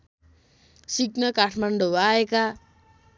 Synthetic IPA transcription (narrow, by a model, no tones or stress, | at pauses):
siknʌkaʈʰmaɳɖʱobaeka